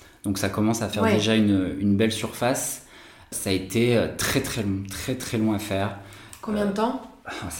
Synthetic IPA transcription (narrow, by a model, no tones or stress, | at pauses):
d̪̥ɔ̃ksakɔmɑ̃safɛʁd̪eʒaynøynbɛlsyʁfas | saet̪ʰeøt̪χɛt̪χɛlɔ̃t̪χɛt̪χɛlwɔ̃afɛːʁkɔ̃bjɛ̃d̪ət̪ɑ̃fɛ̃